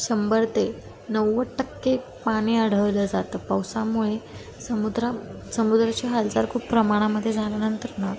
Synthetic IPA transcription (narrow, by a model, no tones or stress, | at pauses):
ɕəmbəɾt̪e | nəwːəʈəkːe | paɽ̃iːaɽ̤əʋləd͡zat̪əːpawsamuɭe | səmud̪ɾa | səmud̪ɾat͡ɕeɦald͡zaɾkʰuːpːɾəmaɽ̃aməd̪ʱːjed͡zʱalanənt̪əɾna